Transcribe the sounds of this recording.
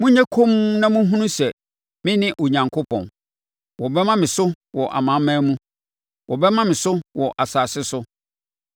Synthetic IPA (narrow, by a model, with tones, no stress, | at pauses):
mũ˦ɲɛ̃˦kʰõ˦m˦nã˦mũ˦ɦũ˦nũ˦sɛ˨ | mɪ̃˦nɪ̃˦ʔo˨ɲã˨ŋkʰʊ˦pʰɔ̰̃˨n | wɔ˨bɛ˦mã˦mɪ̃˨sʊ˦ | wɔ˨ʔa̰˨mã˨˦mãː˦mũ˦ | wɔ˨bɛ˦mã˦mɪ̃˨sʊ˦wɔ˨ʔa˨saː˨sɪ˦sʊ˦